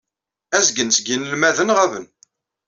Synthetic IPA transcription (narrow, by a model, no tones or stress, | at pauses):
æzɡənsɡinəlmæðənʁævən